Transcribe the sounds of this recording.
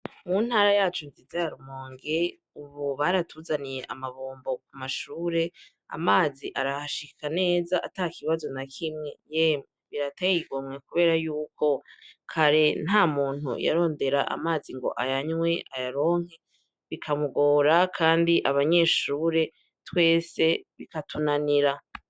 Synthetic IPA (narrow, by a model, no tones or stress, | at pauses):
mun̥haːɾajaːt͡ʃonzizejaɾumoːŋɡe | uβuβaɾatʰuzanije̞ʔamaβoːmbo̞kumaʃuːɾe̞ | a̰maːziʔaɾahaʃikʰane̞ːzaʔatakʰiβazo̞nakʰimŋe̞jemŋeβiɾatajiɡomŋe̞kuβe̞ːɾajuːko̞kʰaɾe̞n̥haːmuːn̥hṵja̰ɾo̞ːnde̞ɾaʔa̰maːziŋɡo̞̰ʔajaɲwe̞ʔajaɾo̞ːŋ̥he̞ | βikʰamuɡo̞ːɾakʰaːndiʔaβaɲe̞ːʃuːɾe̞ | twe̞ːse̞βikatunaniɾa